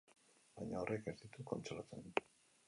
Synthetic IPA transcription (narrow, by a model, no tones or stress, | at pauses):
bajɲaoreke̞zd̪it̪uko̞nt͡ʃolat͡sen